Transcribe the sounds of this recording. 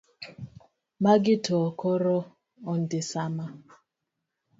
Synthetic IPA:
maɡɪtʰɔkɔɾɔ | ɔn̩dɪsama

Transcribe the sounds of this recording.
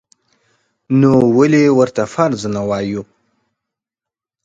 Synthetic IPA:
nowəlewəɾt̪afaɾd͡znawaju

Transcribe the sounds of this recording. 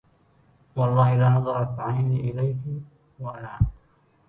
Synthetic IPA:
wɑlˤːɑːhɪlaːnɑðˤɑɾˤat̪ːaʕajniʔɪlajhɪ | walaː

